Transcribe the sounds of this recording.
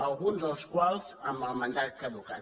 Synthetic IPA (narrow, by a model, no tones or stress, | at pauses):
əlˠɣunzəlˠskwalˠz̥əmbəlˠmənd̪at̪̚kəðuka